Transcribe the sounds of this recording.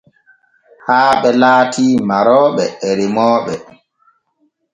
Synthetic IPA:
haːɓɛlaːtʰiːmaɾɔːɓɛːɾimɔːɓɛ

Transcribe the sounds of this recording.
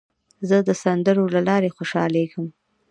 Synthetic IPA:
zəd̪əsand̪əɾolalɑɾexoʃɑlekəm

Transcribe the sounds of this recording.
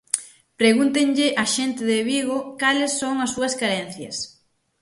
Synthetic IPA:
pɾeɣunt̪eŋʎɪʔaʃɛnt̪ɪðeβiɣokalesːoŋɐsːuɐskaɾɛn̟θjɐ̰s

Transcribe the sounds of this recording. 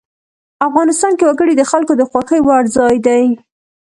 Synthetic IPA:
afɣɑnɪst̪ɑnkewaɡəɽid̪əxalkod̪əxwɑxəjwaɾzɑjd̪aj

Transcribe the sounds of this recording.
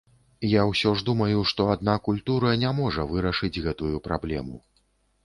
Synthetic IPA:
jawsʲɔʐd̪umɐjuʂt̪ɔad̪̚nakulʲt̪uɾɐnʲamɔʐɐvɨɾɐʂɨd͡zʲɣɛt̪ujupɾablʲɛ̰mṵ

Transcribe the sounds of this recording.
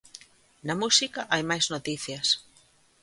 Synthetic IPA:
nɐmusikɐʔajmajznot̪iθjɐs

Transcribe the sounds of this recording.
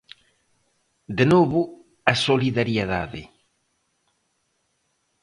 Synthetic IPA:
d̪enoβʊ | ɐsoliðaɾjeða̰ðɪ̰

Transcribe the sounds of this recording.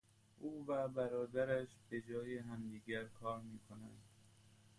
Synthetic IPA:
ʔuːvæbæɾɒːd̪æɾæʃb̥e̞d͡ʒɒːjeɦæmd̪iːɡæɾkʰɒːɾmiːkʰonæ̰nd̪

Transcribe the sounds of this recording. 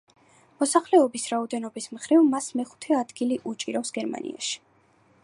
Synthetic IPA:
mɔsaχlɛɔbisɾaɔd̪ɛnɔbismχɾivmasmɛχu̥t̪ʰɛad̪ɡiliʔut͡ʃʼiɾɔfsɡ̥ɛɾma̰nḭa̰ʃi̥

